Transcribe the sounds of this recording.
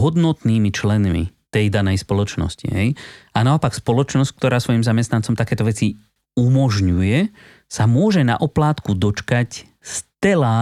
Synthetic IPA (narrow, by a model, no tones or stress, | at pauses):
ɦɔd̪nɔt̪niːmit͡ʃlɛnmḭt̪ɛjd̪anɛjspɔlɔt͡ʃnɔ̰scḭɦɛjanaɔpakspɔlɔt͡ʃnɔsckt̪ɔɾaːsʋɔjimzamɛst̪nant͡sɔmt̪akɛːt̪ɔʋɛt͡si | umɔʒɲujɛ | samʊɔʒɛna̰ʔɔplaːt̪kud̪ɔt͡ʃkac | st̪ɛlaː